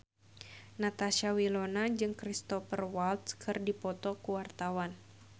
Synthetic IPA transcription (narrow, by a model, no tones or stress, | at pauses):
nat̪aʃawilonad͡ʒɨŋkɾist̪ɔfərwalt̪skʰɨrdipɔt̪ɔkuwart̪awan